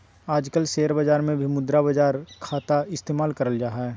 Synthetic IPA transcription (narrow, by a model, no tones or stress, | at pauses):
aːd͡ʒkəlseːəɾbəd͡ʒaːɾmẽbʱimʊd̪ɾabəd͡ʒaːɾkʰaːt̪aɪst̪eːmaːlkɐɾəld͡ʒaːɦɛ